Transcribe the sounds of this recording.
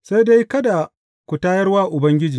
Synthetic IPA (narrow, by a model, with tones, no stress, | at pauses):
sa˦da˦jkɐ˦da˨ | kʷu˨taː˦jɐ˦rwaː˦ʔʊ˨bɐ˦ŋɡʲɪ˦d͡ʒiː˨